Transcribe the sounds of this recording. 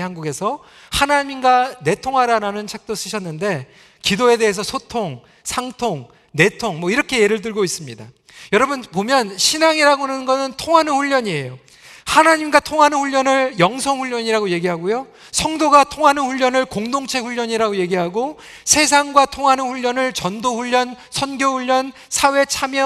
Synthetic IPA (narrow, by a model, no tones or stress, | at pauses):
hanɡuɡe̞sʰʌ | hanaɲinɡane̞tʰoŋɦaɾaɾanɯnt͡ɕʰak̚t͈os͈ɯɕʰʌnːɯnde̞ | kidoe̞de̞ɦes̬ʰʌsʰotʰoŋ | sʰaŋtʰoŋ | ne̞tʰoŋmʌiɾʌkʰe̞jeɾɯɭtɯɭɡois͈ɯmɲida | jʌɾʌbunpomjʌnɕʰinaŋiɾaɡonɯnɡʌsɯntʰoŋɦanɯnɸuʎːʌɲie̞jo | hanaɲimɡatʰoŋɦanɯnɸuʎːʌnɯɭjʌŋsʰʌŋɸuʎːʌɲiɾaɡoje̞ɡiɦaɡojo | sʰʌŋdoɡatʰoŋɦanɯnɸuʎːʌnɯɭkoŋdoŋt͡ɕʰe̞ɸuʎːʌɲiɾaɡoje̞ɡiɦaɡo | sʰe̞s̬ʰaŋɡwatʰoŋɦanɯnɸuʎːʌnɯɭt͡ɕʌndoɸuʎːʌn | sʰʌnɡjoɸuʎːʌn | sʰawe̞t͡ɕʰamjʌ